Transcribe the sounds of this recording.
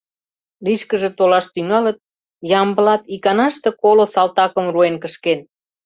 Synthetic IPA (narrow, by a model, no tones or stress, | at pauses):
liʃkəʒet̪olɑʃt̪yŋɑlət̪̚ | jɑmbəlɑt̪ikɑnɑʃt̪ekolosɑlt̪ɑkəmruenkəʃken